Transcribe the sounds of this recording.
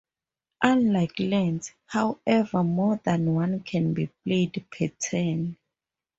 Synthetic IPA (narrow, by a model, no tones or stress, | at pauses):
ʔãnlajklɛ̃ns | hawɛvəmɔðãnwãnkʰɛ̃nbipledpʰɛtʰɛn